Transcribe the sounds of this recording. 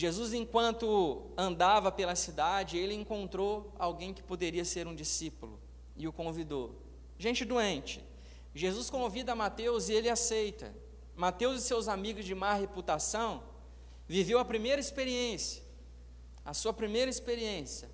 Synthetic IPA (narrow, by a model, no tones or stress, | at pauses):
ʒezuzẽkwɐ̃nt̪ʊɐ̃nd̪avɐpelɐsid̪ad͡ʒɪelɪẽŋkõnt̪ɾoawɡẽj̃kɪ̥pod̪eɾiɐseɾũd͡ʒisipulʊ̰ | ɪʊkõvid̪o | ʒẽnt͡ʃɪd̪uẽt͡ʃɪ̥ | ʒezuskõvid̪ɐamat̪ewzɪelɪasejt̪ɐ̰ | mat̪ewzɪsewzamiɡʊzd͡ʒɪmaɦeput̪asɐ̃w̃ | vivewɐpɾimejɾɐispeɾiẽsjɐ | ɐsuɐpɾimejɾɐispeɾiẽsjɐ